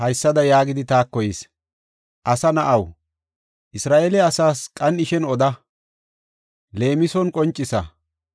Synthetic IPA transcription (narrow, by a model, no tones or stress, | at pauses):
hɐjsːɐd̪ɐjaːɡɪd̪ɪt̪aːkːɔjɪs | ʔɐsɐnɐʔɐw | ʔɪsɾaːʔeːlɛɐsaːskʼɐnɪʃɛnɔd̪ɐ | le̞ːmɪsɔnkʼɔnt͡ʃʼːɪsɐ̰